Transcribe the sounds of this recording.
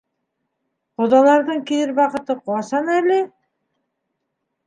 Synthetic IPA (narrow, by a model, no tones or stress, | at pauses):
qod̪ɑlˠɑɾd̪ɤɴkiðɘɾbɑqɤ̆t̪ɤquɑsɑnælɪ